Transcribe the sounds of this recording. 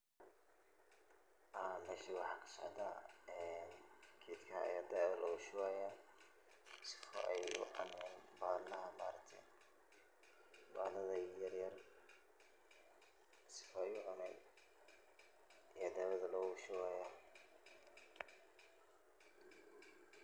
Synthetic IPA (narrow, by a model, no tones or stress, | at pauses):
ʔɐmɛːʃiwɑħɑːkʰɐ̥sɔ̰ʕd̪a̰ːɛnkʰiːt̪kʰɐ̰jaːd̪ɛɐlʔɔːɣʊʃʊwaːja | sɪ̥fɔ̰ʔɛjʊ̰ʕɑ̰nɛnbaːlɐɦɐma̰ːɾɐk̚t̪ʰɛ̰ | baːlɐðɐjɐrjɐr | sɪ̥fɔɛjʊʕɑnɛn | ʔijɐd̪ɛwɐðɐlɔːɣʊʃɪwaːja